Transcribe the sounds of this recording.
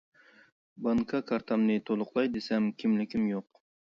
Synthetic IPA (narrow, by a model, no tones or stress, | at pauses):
bɑŋkʰɑkʰɑɾt̪ʰɑmnɨt̪ʰolˠʊqlˠɑjd̪esɛmkʲʰimlɪkʲimjoq